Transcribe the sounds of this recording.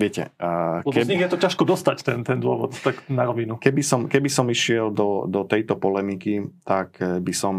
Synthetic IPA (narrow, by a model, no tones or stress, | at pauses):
ʋɪɛcɛ̰ɔkɛzɲiɣjɛt̪ɔcaʃkɔd̪ɔst̪act̪ɛnt̪ɛnd̪ʊɔ̰ʋɔ̰t̪t̪aknaɾɔʋinukɛbisɔmkɛbisɔmiʃɪɛld̪ɔd̪ɔt̪ɛjt̪ɔpɔlɛmikit̪akbisɔm